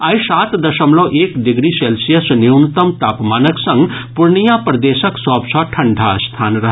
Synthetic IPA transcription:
ajsat̪d̪əsəmlɔʔekɖiɡɾiselsijəsniwnut̪əmt̪apmanəksə̃ŋɡpuɾnijapɾəd̪esəksɔbsə̃ʈʰəɳɖʱast̪ʰaːnɾəɦ

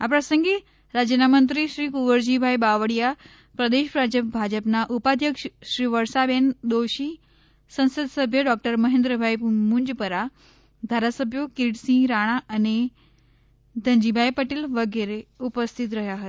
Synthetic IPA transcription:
apɾəsə̃ŋɡe | ɾad͡ʑənamənt̪̬ɾiɕɾiːkuʋəɾd͡ʑibʱajbaʋəɽija | pɾəd̪eɕpɾad͡ʑəp̚bʱad͡ʑəpnaʔupad̪ʱjəkʂɕɾiːʋəɾsabend̪oɕi | sə̃ñsəd̪səbʱjəɖɔk̚ʈəɾməɦẽnd̪ɾəbʱajpmuɲd͡ʑpəɾa | d̪ʱaɾasəbʱjokiʈsĩɾaɽ̃aani | d̪ʱəɲd͡ʑibʱajpəʈiːlʋəɡeɾeupəst̪ʰit̪̬ɾəɦjaɦət̪

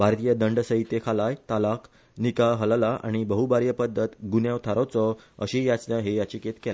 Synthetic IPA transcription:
bʱaɾt̪ijəd̪əɳɖsəɦit̪ekʰalajt̪alak | nikaɦəllaʔa̰ɽ̃ibəɦubaɾjəpəd̪ʱːət̪ɡunjãʋt̪ʰaɾɔt͡sɔə̰ɕijat͡snəɦejat͡ɕiket̪kela

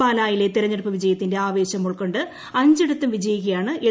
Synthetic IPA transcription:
aːlaːjile̞t̪iɾɐɲːɐɽɐpːɨʋid͡ʑɐjɐt̪ːinde̞aːʋe̞ːɕɐmːuɭko̞ɳɖɨ | ɐɲd͡ʑiɽut̪ːumʋid͡ʑɐjuɣɐjaːɳɨʔe

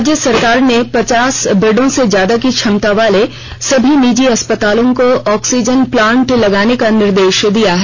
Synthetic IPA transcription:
d͡ʒjəsɐɾkaːɾnepɐt͡ʃaːsbɪɖõsed͡ʒjaːd̪akit͡ʃʰɐmt̪aʋaːle | sɐbʱiniːd͡ʒiɐspət̪aːlõkoɔːksid͡ʒənplãːɳʈlɐɡaːnekanɪɾd̪eːʃd̪ijaɦɛ

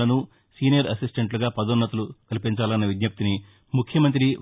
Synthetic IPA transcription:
ɐnu | siːnijɐɾɐsisʈeɳʈluɡaːpɐd̪onːɐt̪ɐlukɐlipiɲt͡ʃaːlɐnːɐʋid̪jɐp̚t̪ini | mukʰjɐmɐnt̪̬ɾi

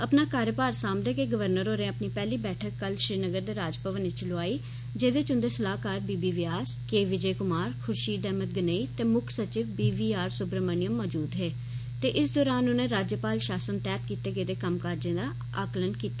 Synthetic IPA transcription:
əpnaːkaːɾjəpaːɾsaːmd̪eːkeɡəʋəɾnəɾoːɾẽəpniːpɛːliːbɛːʈʰəkːəlʃɾiːnəɡəɾd̪eːɾaːd͡ʒpəʋənet͡ʃəlʊaːiː | d͡ʒeːd̪eːt͡ʃʊ̃nd̪eːsəlaːkaːɾbiːbiːʋɪjaːskeːʋɪd͡ʒeːkʊmaːɾkʰʊɾʃiːd̪ɛːmət̪̚ɡəneːiːt̪eːmʊkʰsət͡ʃɪʋbiːʋiːaːɾsʊbɾəmənɪjəmːɔːd͡ʒuːd̪ɦeː | t̪eːʔɪsd̪ɔːɾaːnʊnẽːɾaːd͡ʒjəpaːlʃaːsənt̪ɛːt̪̚kiːt̪eːɡəːd̪eːkəmkaɾd͡ʒẽːd̪aː | aːklənkiːt̪aː

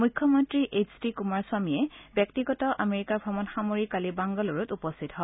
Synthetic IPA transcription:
mujkʰːjɔmɔntɹiʔet͡ʃdikumaɹswamiɛbjɔk̚tiɡɔtɔʔameɹikaɹbʱɔmɔnxamoɹikalibaŋɡɔlɔɹutupɔstʰitɦɔ

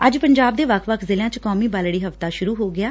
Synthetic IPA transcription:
əd͡ʒpəɲd͡ʒaːb̚d̪eːʋəkʰʋəkʰzɪlãːt͡ʃkɔːmiːbaːlɽiːɦəft̪aːʃʊɾuːɦoːɡɪjaː

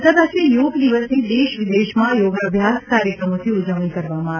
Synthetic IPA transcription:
t̪əɾasijoɡd̪iʋəsnid̪eʋɪd̪eʃmãjoɡəbʱjaskaɾjəkɾəmot̪ʰiud͡ʒəʋnikəɾʋammã

